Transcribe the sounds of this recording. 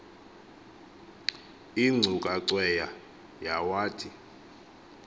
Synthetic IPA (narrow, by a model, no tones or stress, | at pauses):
iŋ͡ǀʱukʼaǀwɛja | jawaːtʰi